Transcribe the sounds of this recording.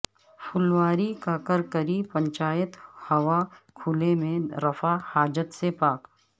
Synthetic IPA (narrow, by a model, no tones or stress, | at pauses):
pʰʊlʋaːɾikakəɾkəɾipə̃ɲt͡ʃaːjət̪hɐwakʰʊlemẽɾɐfahaːd͡ʒət̪sepaːk